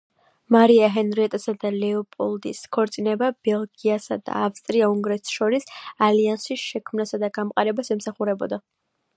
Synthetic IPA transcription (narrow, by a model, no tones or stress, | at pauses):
maɾiaɦɛnɾɛt̪ʼɛsad̪alɛɔpʼɔlˠd̪iskʰɔɾt̪sʼinɛbabɛlˠɡiasad̪a̰ːfst̪ʼɾiauŋɡɾɛt̪ʰʃɔɾisaliansisʃɛkʰmnasad̪aɡamqʼaɾɛbasɛmsaχuɾɛbɔ̰d̪a